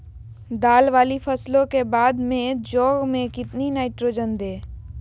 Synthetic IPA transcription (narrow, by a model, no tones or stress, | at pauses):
d̪aːlʋaːlipʰəslõkebaːd̪mẽd͡ʒɔːɡmẽkɪt̪ninaːɪʈɾoːd͡ʒənd̪eː